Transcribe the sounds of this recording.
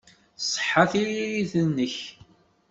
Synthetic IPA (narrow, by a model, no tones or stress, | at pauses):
sˤħːaθiiθənːəç